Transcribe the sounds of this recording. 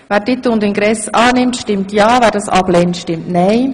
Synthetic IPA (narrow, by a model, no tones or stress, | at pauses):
vɛːɾd̥ɪt̪ːʊndɪnɡɾɛsɑːnɪmtʃtɪmtjɑːvɛːɾdɑsɑ̰b̥lɛntʃtɪmtnɛɪ